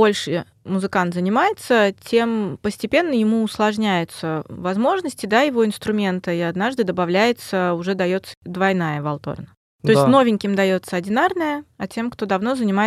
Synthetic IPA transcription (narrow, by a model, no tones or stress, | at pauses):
bo̞lʲʂɨ | mʊzɨkant̪zənʲɪmajɪt̪sətʲʰe̞mpəsʲtʲɪpʲe̞nːəjɪmuʊslˠɐʐnʲæjʊt̪səvɐzmo̞ʐnəsʲtʲɪd̪ajɪvo̞ɪnst̪ɾʊmʲe̞nt̪əɪad̪naʐd̪ɨd̪əbɐvlʲæjɪt̪səʊʐɛd̪ɐjo̞t̪sə̥d̪vɐjnajəvɐlˠt̪o̰rnə | t̪o̞ɪsʲt̪ʲno̞vʲɪnʲkʲɪmd̪ɐjo̞t̪səɐdʲɪnarnəjəɐtʲe̞mkt̪o̞d̪ɐvno̞zənʲɪmaɪ